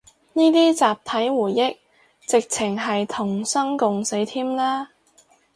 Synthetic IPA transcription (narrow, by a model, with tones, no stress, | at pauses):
niː˥t̪iː˥t͡saː˨p̚t̪ʰɐ˨˥jwuː˨˩jːɪ˥k̚ | t͡sɪ˨k̚t͡sʰɪ˨˩ŋɦɐ˨jt̪ʰʊ˨˩ŋsɐ˥ŋkʊ˨ŋse˨˥jt̪ʰiː˥mlaː˥